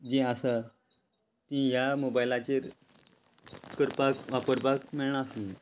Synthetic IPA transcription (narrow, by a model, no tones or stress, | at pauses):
d͡ʑẽəsa | t̪ĩɦjamobajlat͡ɕeɾ | kəɾpakʋapəɾbakmeɭɳ̃aəsun